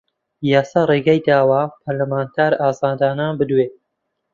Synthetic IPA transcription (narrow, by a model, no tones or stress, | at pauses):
jaːsaːreɡajd̪aːwaːpʰɐɾlamaːnt̪ʰaːɾaːzaːd̪aːnaːnbɨd̪weː